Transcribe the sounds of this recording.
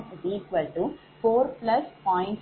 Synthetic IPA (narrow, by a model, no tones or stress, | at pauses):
iːkʋɐlʈu | foːɾplɐspɔ̃ːɪ̃ɳʈ